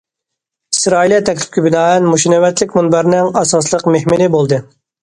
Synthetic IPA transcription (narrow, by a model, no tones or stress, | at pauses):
isɾɑːiljɛt̪ʰɛkʲlʰɪ̥p̚kʲʰibɪnɑːɛnmuʃinɛwɛt̪lɪkʲmunbæɾnɪŋɑsɑslˠəqmehmɪnɪbolˠd̪ɨ